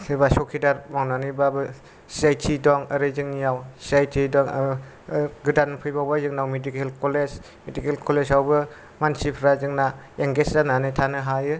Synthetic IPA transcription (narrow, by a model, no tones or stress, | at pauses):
sʰebasɔkʰidaɾmawnanibabɯ | siajtʰidɔŋɯɾɯzɯŋnijawsiajtʰidɔŋ | ɡɯdanpʰɯjbawbazɯŋnawmedikelkɔled͡ʒ | medikelkʰɔlesawbɯ | mansipʰɾazɯŋna | eŋɡeszananɯjtʰanɯɦajɯ